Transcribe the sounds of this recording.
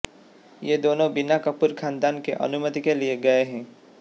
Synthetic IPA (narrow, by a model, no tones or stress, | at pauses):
jed̪oːnõbɪnakəpʊɾkʰãːnd̪aːnkḛʔɐ̰nʊmət̪ikelieɡɐeɦɛ̃ː